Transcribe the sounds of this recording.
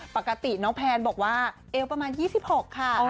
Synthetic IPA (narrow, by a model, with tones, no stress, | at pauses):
pa˨˩kːa˧t̪i˨˩nɔː˦˥ŋpʰɛː˧nbɔː˨˩k̚waː˥˩ʔeː˦˥wpɾa˧maː˧njiː˥˩si˨˩p̚ho˨˩kʰːa˥˩